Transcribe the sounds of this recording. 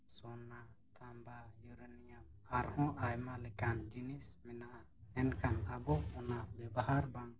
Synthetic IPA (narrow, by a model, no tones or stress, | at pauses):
sɔna | t̪ʰambajuɾanijamaɾhɔ̃ʔajmalɛkand͡ʒinismɛnaʔa | ɛnkʰanabɔɔnabɛbaɦaɾbaŋ